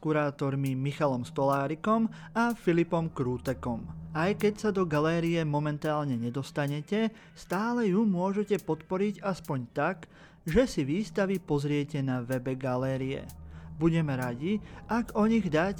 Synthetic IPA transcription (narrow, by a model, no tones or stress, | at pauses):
kuɾaːt̪ɔɾmimixalɔmst̪ɔlaːɾikɔm | afilipɔmkɾuːt̪ɛkɔmajkɛcsad̪ɔɡalɛːɾiɛmɔmɛnt̪aːlɲɛɲɛd̪ɔst̪aɲɛcɛ | st̪aːlɛjumʊɔʒɛcɛpɔt̪pɔɾiɟaspɔɲt̪aɡ | ʒɛsiʋiːst̪aʋipɔzɾɪɛcɛnaʋɛbɛɡalɛːɾiɛ̰buɟɛmɛɾaɟiʔaɡɔɲiɣd̪ac